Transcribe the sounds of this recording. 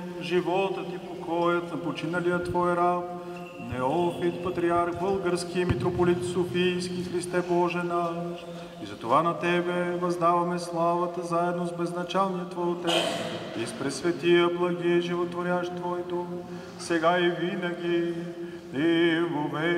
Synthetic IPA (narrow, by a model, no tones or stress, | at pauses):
ʒivɔt̪ət̪ipokʰɔjət̪nɐpot͡ʃinəlijət̪vɔjɾap | nɛɔpit̪pɐt̪ɾiaɾxbɤlˠɡəɾskimit̪ɾopolit̪sofijskixɾist̪ɛbɔʒɛnaʃ | izɐt̪ovanɐt̪ɛbɛvɐzd̪avɐmɛslˠavət̪əzaɛd̪nozbɛznɐt͡ʃalˠnijət̪vɔjt̪ɛt̪sispɾɛsvɛt̪ijəblˠɐɡiʒivot̪voɾʲaʃt̪vɔjd̪om | sɛɡaivinəɡʲi | ivovɛ